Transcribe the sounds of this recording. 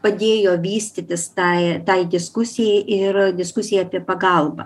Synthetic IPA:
pɐd̪ʲeːjoːʋʲiːsʲt̪ʲɪt̪ʲɪst̪ɑɪt̪ɐɪd̪ʲɪskʊsʲɪjɛɪʔɪɾd̪ʲɪskʊsʲɪjɛːpʲiɛpɐɡɐlˠbɐ̰

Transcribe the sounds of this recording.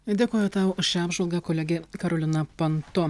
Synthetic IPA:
d̪ʲeːkoːjɛt̪ɑːʊʊʃʲɑːbʲʒʋɐlˠɡɐkolʲɛɡʲekɐɾoːlʲɪnɐpɐnt̪ʊ

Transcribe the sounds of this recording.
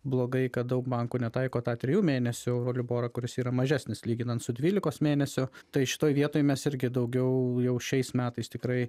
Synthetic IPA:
blˠoːɡɐɪkɐt̪̚d̪ɐʊkbɐŋkuːnʲɛt̪ɐɪkoːt̪ɑːt̪ʲɾʲɪjuːmʲeːnʲɛsʲʊʊɾoːlʲɪboːɾɐkʊɾʲɪsiːɾɐmɐʒʲæːsʲnʲɪslʲiːɡʲɪnɐnt̪sʊd̪ʲʋʲiːlʲɪkoːsmʲeːnʲɛsʲʊt̪ɐɪʃʲɪ̥t̪oːjʋʲiɛt̪oːjmʲɛsɪɾʲɡʲɪd̪ɐʊɡʲɛʊjɛʊʃʲɛɪsmʲæːt̪ɐɪst̪ʲɪkɾɐɪ

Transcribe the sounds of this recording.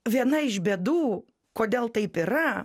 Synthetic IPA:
ʋʲiɛnɐɪʃbʲeːd̪uː | koːd̪ʲeːlˠt̪ɐɪpɪɾɐ

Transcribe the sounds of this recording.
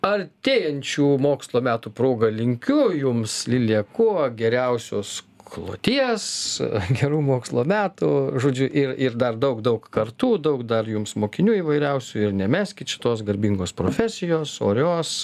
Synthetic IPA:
ɐrʲt̪ʲeːjɛnʲt͡ʃʲuːmoːkslˠoːmʲæːt̪uːpɾoːɡɐlʲɪŋʲkʲʊjʊmslʲilʲiɛkuɡʲɛɾʲɛʊsʲoːs | klˠo̰ːt̪ʲiɛsɡʲɛɾuːmoːkslˠoːmʲæːt̪uʒoːd͡ʒʲʊʔɪrɪɾd̪ɐrd̪ɐʊkd̪ɐʊkkɐrt̪uːd̪ɐʊkd̪ɐrjʊmsmoːkʲɪnʲuːiːʋɐɪɾʲɛʊsʲuːɪɾnʲɛmʲæːsʲkʲɪt̪ʃʲɪ̥t̪oːsɡɐɾʲbʲiŋɡoːspɾoːfʲæsʲɪjoːsoːɾʲoːs

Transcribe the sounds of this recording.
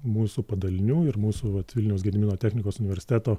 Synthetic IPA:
muːsuːpɐd̪ɐlʲɪnʲuːɪɾmuːsuʋɐt̪ʋʲɪlʲnʲɛʊsɡʲɛd̪ʲɪmʲɪnoːt̪ʲæːxʲnʲɪkoːsʊnʲɪʋʲɛɾʲsʲɪ̥t̪ʲæːt̪oː

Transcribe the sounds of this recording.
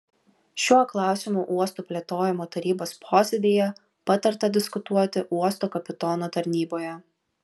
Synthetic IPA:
ʃʲuɔklˠɑˑʊsʲɪmuːʔuɔst̪uːpʲlʲeɛt̪oːjɪmoːt̪ɐɾʲiːboːspʰoːsʲɛd̪ʲijɛ | pɐt̪ɐɾt̪ɐd̪ʲɪskʊt̪uɔt̪ʲɪʔuɔst̪oːkɐpʲɪt̪oːnoːt̪ɐɾʲnʲiːboːjɛ

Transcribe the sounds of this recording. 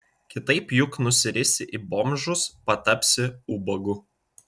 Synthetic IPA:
kʲɪt̪ɐɪpjʊknʊsʲɪɾʲɪsʲɪʔibɔmʲʒʊspɐt̪ɐpʲsʲɪuːbɐɡʊ

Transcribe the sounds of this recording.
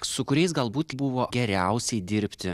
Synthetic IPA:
sʊkʊɾʲɛɪsɡɐlˠbuːt̪bʊʋoːɡʲɛɾʲɛʊsʲɛɪd̪ʲɪɾʲpʲt̪ʲɪ

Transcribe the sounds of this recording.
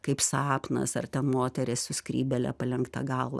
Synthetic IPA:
kɐɪpsɑːpnɐ̰sɐrt̪ʲɛnmoːt̪ʲɛɾʲɪssʊskrʲiːbʲɛlʲɛ̰pɐlʲɛŋkt̪ɐ̰ɡɐlˠʋɐ̰

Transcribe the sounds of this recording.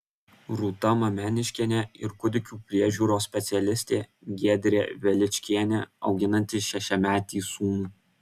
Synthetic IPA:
ɾuːt̪ɐmɐmʲɛnʲɪʃʲkʲɛnʲɛɪɾkʊd̪ʲɪkʲuːpʲɾʲiɛʒʲuːɾoːsʲpʲɛt̪sʲɛlʲɪsʲt̪ʲeː | ɡʲiɛd̪ʲɾʲeːʋʲɛlʲɪt͡ʃʲkʲiɛnʲɛɒ̰ʊɡʲɪnɐnʲt̪ʲɪʃʲɛʃʲɛmʲæːt̪ʲiːsuːmuː

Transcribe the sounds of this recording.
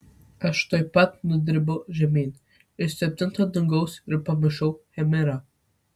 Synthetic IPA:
kaʃt̪ɔjpat̪̚nəd̪ɾibɔʒɛmin | əst̪ɛp̚t̪ənt̪ʰad̪əŋɡɔsɾɛpaməʃɔwhɛmɛɾa

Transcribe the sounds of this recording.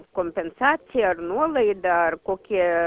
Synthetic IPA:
komʲpʲɛnsaːt̪sʲɪjaɐɾnuɔlˠɛjd̪aːɾkoːkʲiɛ

